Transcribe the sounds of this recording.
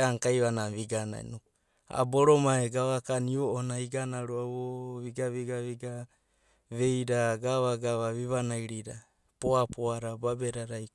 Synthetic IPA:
aŋkajβanaβiɡana̰nu | a̰boɾomaeɡaβakanioonaiɡanaɾuaβoβiɡaβiɡaβiɡa | βejɾaɡaβaɡaβaβiβanajɾiɾa | poapoaɾababeɾaɾaj

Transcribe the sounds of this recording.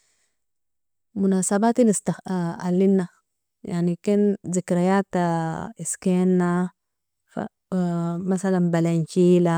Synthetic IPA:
munasabat̪inist̪aa̰lːinːa | jaʕnikenzikɾajat̪aiskenːa | fa̰ | masalanbalant͡ʃila

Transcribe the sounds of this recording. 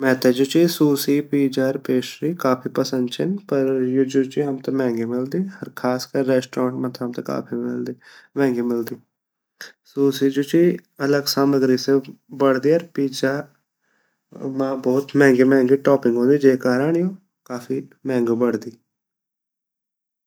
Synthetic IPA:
mɛ̃ːt̪ɛːd͡ʒoːt͡ʃiːsuːsiːpiːd͡ʒaːɾpeːʃɾiːkaːpʰiːpəsənd̪t͡ʃʰɪnpəɾjoːd͡ʒoːt͡ʃiamt̪eːmɛ̃ːŋɡiːmɪld̪iːhəɾkʰaːskəɾːɛːsʈɾõːɳʈmãːt̪ʰːəmt̪eka̰ːpʰiːmɪld̪ːmɛ̃ːŋɡiːmɪld̪iː | suːsiːd͡ʒuːt͡ʃiːələɡsaːməɡɾiːsebəɽd̪iːəɾpiːd͡ʒaː | mãːbɔːt̪mɛ̃ːŋɡiːmɛ̃ːŋɡiːʈɔːpɪ̃ŋɡɦõːd̪iːd͡ʒeːkaːɾaːɽ̃joː | kaːfiːmɛ̃ːŋɡoːbəɽd̪iː

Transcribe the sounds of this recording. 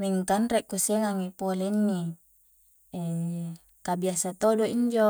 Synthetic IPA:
miŋkanɾeʔkuseŋaŋepoleinːi | e | kabiasat̪odoiɲd͡ʒo

